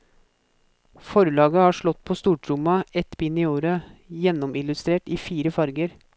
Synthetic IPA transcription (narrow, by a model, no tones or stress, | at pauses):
fɔɾlɑːɡəhɑːʂɭɔt̪ːpʰoːst̪uːʈʰɾʊmɑɛt̪bɪnːiːoːɾəjɛnːɔmɪlʉst̪ɾeːʈiːfiːɾəfɑɾɡəɾ